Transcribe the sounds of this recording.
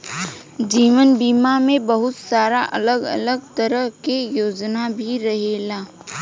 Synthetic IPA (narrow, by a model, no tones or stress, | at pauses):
d͡ʒiːʋənbiːmamẽbɐɦʊt̪saːɾaʔɐ̰ləɡɐ̰ləɡ̚t̪əɾəɦkejoːd͡ʒnabʱiɾɐɦeːlaː